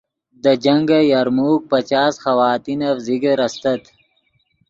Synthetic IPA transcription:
d̪ɐd͡ʒɐŋɡajaɾmuːk̚pɐt͡ʃaːsxɐwaːt̪inɐfziɡəɾɐst̪ɐt̪

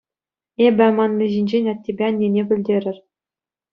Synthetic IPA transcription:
ebʲɘ̆mɑnlʲĭʑinʲd͡ʑenʲɑtʲːebʲeɑnʲːenʲebʲɘ̆lʲdʲeɾʲɘ̆rʲ

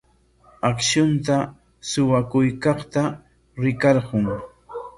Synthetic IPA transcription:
akʃʊnt̪a | sʊwakʊjkɑχt̪a | ɾɪkɑɾɢʊŋ

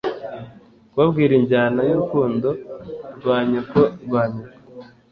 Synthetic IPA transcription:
wabɡiːɾiɲɟaːnajuɾukuːndoɾɡwaːɲukoɡwaːɲuko̥

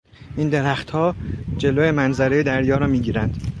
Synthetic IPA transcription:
ʔind̪eɾæxt̪hɒːd͡ʒe̞loːjemænzæɾejed̪æɾjɒːɾɒːmiːɟiːɾænd̪̥

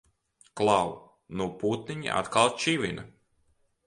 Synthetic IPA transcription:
klˠaw | nuɔput̪niɲḭʔa̰t̪kalˠt͡ʃivʲina

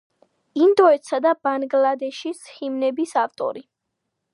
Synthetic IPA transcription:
ind̪ɔɛt̪sad̪abanɡlad̪ɛʃishimnɛbisaft̪ʼɔ̰ɾi

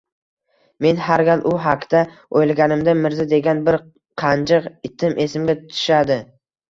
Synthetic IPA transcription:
me̞nhaɾɡʲalʔʊɦakʲt̪a | ojlˠɡʲanɪmd̪amɪɾzɪd̪e̞ɡʲanbɪɾ | qʰɑnd͡ʒɪqɪt̪ʰɪmʔe̞sɪmɡʲat̪ʊt̪ʰʊ̥ʃad̪ɪ

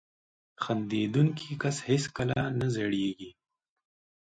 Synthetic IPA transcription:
xand̪ed̪uŋkʰikashɪskəlaanazeɽjeɡi

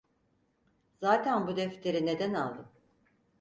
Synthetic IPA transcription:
z̥aːt̪ʰænbud̪ɛft̪ʰe̞ɾine̞d̪ænalˠd̪ɯm

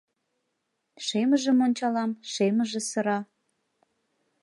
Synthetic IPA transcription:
ʃeməʒəmonʲt͡ɕɑlɑmʃeməʒĕsə̆ɾɑ

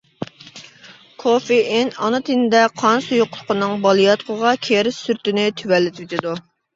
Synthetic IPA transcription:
kʰofiɪnɑnɨt̪ʰinɪd̪ɛqʰɑnsojoqʰʊlˠqʰənɨŋbɑlˠijɑt̪̚qʰəʁɑkʲʰeɾɪsyɾt̪ɪnɪt̪ʰywɛlːɪt̪ʰwet̪ʰɪd̪u

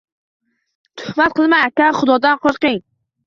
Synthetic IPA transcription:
t̪ʰʊ̥hmat̪̚qʰɨlˠmaakʲaχʊd̪ɒd̪anqʰoɾqɪŋ

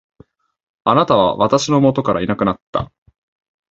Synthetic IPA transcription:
anat̪aβ̞a̰βat̪aɕino̞mo̞t̪o̞kaɾa̰inakɯ̟nat̪ːa̰

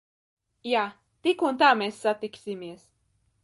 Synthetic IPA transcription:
ja | t̪ikunt̪amɛsːat̪iksimies

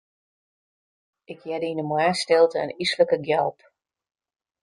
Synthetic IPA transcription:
ʔɪkʰjɛdinəmwaːstɪlˠtə̰ːnisləkəɡjɛlˠp

